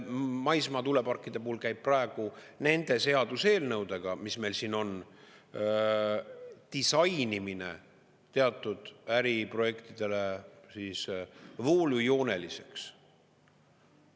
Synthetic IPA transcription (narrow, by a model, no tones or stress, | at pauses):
mɑjsmɑt̪ule̞pɑrkːˑid̪̥e̞puulkæjb̥̚pːrɑe̞ɡ̥une̞nd̪̥e̞se̞ɑd̪̥use̞ːlnɤwd̪e̞ɡ̥ɑmisme̞jlsino̞n | t̪isɑjniminḛ | t̪e̞ɑt̪ˑːud̪̥æɾipro̞je̞kt̪id̪̥e̞le̞siːsvo̞ːlujo̞ːne̞lise̞̥ks